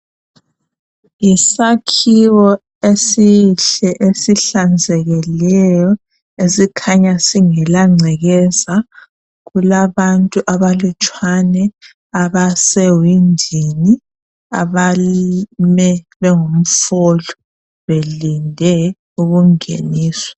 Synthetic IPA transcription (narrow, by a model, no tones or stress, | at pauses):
isakʰiwɔ | esiɬɛʔesiɬand͡zʱɛɣɛlɛjɔ | esikʰaɲasiŋɛlaŋ͡ǀʱɛɣɛza | ɣulaβantʼuʔaβalut͡ʃʼwanɛ | aβasɛwindʱini | a̰βalmɛ | βɛŋom̩fɔlɔ̥ | βelindʱɛ | uɣuŋḛniːsɔ̥